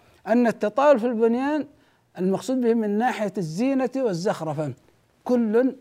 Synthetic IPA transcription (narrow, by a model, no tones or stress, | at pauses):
ʔanːat̪ːɑt̪ˤɑːwʊlfilbʊnjaːn | ɪlmɑɡsˤuːd̪̚bɪhmɪnːaːħɪjazːiːnawɪzːaxɾˤɑfa | kʊlːʊn